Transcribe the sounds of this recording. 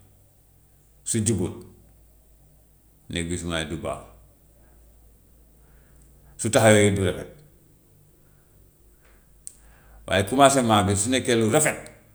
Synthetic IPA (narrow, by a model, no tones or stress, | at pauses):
suɟuɡut | neɡisumaduba̰ːf | sutahjojiduɾefet̚ | wʔa̰ːjikumas̬emːabisunekeluɾefet̚